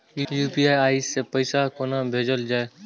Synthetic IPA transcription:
jjuːpiaːjaːisːepəɪsakonaːmbʱeːd͡ʒəld͡ʒaːe

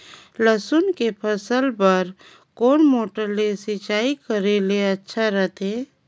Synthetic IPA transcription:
ləsʊnkepʰəsəlpəɾ | koːnmoːʈəɾlesɪt͡ʃaːikəɾeleɐtːʃʰaɾəɦt̪ɦeː

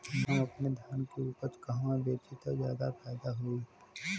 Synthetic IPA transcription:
mɐ̃ɐpned̪ʱjaːnkeuːpəɾt͡ʃkɐɦwãbeːt͡ʃit̪ɐkzja̰ːd̪apʰɛːd̪aɦoi

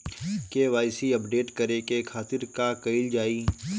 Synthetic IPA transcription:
keʋaːɪsiɐpɖeːʈkɐɾekekʰaːt̪ɪɾkakɐɪld͡ʒaːiː

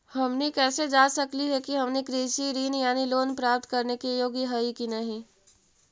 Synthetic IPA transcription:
hɐmnikɛːsed͡ʒaːsɐkliɦɛkiɦɐmnikɾiːʃiɾiːnjaːniloːnpɾaːp̚t̪kɐɾnekijoːɡiɦəikinɐɦĩ

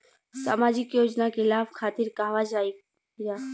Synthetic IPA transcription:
sa̰ːmaːd͡ʒɪkjoːd͡ʒnakʰɪlaːfkʰaːt̪ɪɾkaːʋad͡ʒaːi | d͡ʒaː

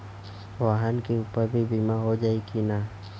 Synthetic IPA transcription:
waɦankiupəbibimaɦod͡ʒaikina

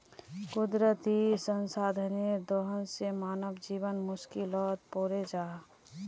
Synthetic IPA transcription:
kʊd̪ɾət̪isənsaːd̪ʱəned̪oɦənsemaːnəbd͡ʒiːβənmʊskilɔt̪̚poːɾed͡ʒaː

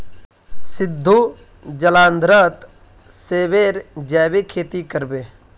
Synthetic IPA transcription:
sɪd̪ʱːu | d͡ʒəlãːnd̪ɾət̪ | seːʋeːɾd͡ʒɛːʋekʰeːt̪ikəɾbeː

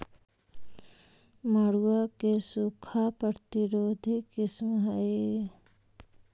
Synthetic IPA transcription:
məɽuwakesukʰapəɾt̪iɾoːd̪ʱikismɦəe

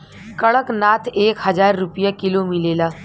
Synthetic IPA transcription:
kəɭəknat̪ʰekɦəd͡zaɾːupjəkilomilela

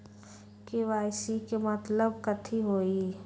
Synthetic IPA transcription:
kewaːɪsikemət̪ləbkət̪ʰiɦoːi

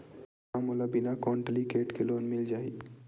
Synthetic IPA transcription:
amulabinakɔɳʈlikeːʈkeloːnmɪld͡ʒaːi

